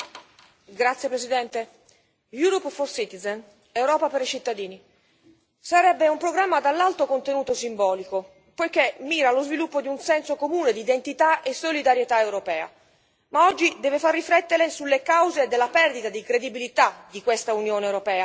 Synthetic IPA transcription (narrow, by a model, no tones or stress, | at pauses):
ɡɾat̪sjepɾesid̪ɛnt̪e | juɾɔpfɔrsit̪izen | ewɾɔːpapeɾit͡ʃit̪ːad̪iːni | saɾɛbːeumpɾoɡɾamːad̪alːalt̪okont̪enuːt̪osimbɔːliko | pojkemːiːɾalozvilupːod̪iunsɛnsokomuːned̪iːd̪ent̪it̪aʔesolid̪aɾjet̪aewɾopɛːa̰ | maɔd͡ʒːid̪ɛːvefarːifɾɛt̪ːeɾesulːekawzeːd̪ːelːapɛrd̪it̪ad̪ikɾed̪ibilit̪ad̪ikwest̪aunjoːnewɾopɛːa